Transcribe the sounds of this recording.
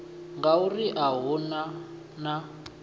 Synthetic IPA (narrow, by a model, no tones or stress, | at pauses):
ŋɡauriʔaɦuna | na